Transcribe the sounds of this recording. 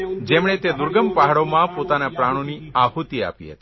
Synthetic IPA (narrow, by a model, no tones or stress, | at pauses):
d͡ʒemɳ̃et̪ed̪ʊɾɡəmpaɦaɽomãpot̪anapɾaɽ̃oniahut̪ia̰pḭɦə̰t̪i̥